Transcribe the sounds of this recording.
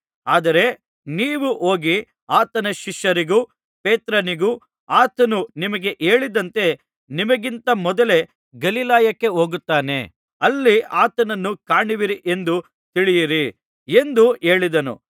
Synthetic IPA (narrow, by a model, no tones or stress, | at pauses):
aːd̪ɐɾe̞ | niːʋuʔoːɡi | aːt̪ɐnɐʃiʃjɐɾiɡuː | peːt̪ɾɐniɡu | aːt̪ɐnunimɐɡe̞ʔe̞ːɭid̪ɐnt̪e̞ | nimɐɡint̪ɐmɔd̪ɐle̞ | ɡɐlilaːjɐkːe̞ɦoːɡut̪ːaːne̞̰ | ɐlːiaːt̪ɐnɐnːukaːɳiʋiɾiʔe̞nd̪u | t̪iɭijiɾi | e̞nd̪ue̞ːɭid̪ɐnṵ